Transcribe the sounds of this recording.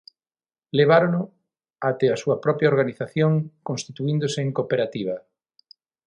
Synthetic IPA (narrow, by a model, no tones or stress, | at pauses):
leβ̞aɾolʊ | at̪easuɐpɾɔpɾjaoɾɣaniθaθjoŋkõnst̪it̪uĩnd̪oseeŋkopeɾat̪iβ̞ɐ